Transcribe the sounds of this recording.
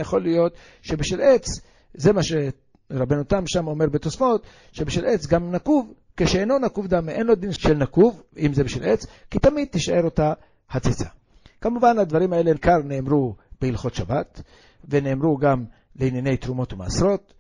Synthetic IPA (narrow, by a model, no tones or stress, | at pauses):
jaχo̞lijo̞t̪ | ʃe̞biʃvilet͡s | zemaʃe | ʁabenut̪amʃamo̞me̞ʁbet̪o̞sfo̞t̪ | ʃe̞beʃilʔet͡sɡamnakuv | keʃeeno̞nakuvd̪ameʔenlo̞d̪inʃelnakuvimzebiʃilʔet͡skit̪amid̪̚t̪iʃaʔe̞ɾot̪a | hat͡sit͡sa | kamuvanad̪vaʁimae̞lenkaʁne̞ːmɾub̥eilχo̞t̪ʃabat̪ | veneːmɾuɡam | leinjanejt̪ɾumo̞t̪uma̰ːsɾo̞t̪